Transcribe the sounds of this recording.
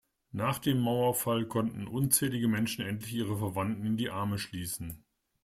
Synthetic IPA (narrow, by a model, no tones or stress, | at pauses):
naːχd̥eːmːaʊɐfalkʰɔntn̩ʔʊnt͡sɛːlɪɡəmɛnʃn̩ʔɛntlɪçiːʁ̞əfɛɐvantn̩ɪndiːʔaɐməʃliːsn̩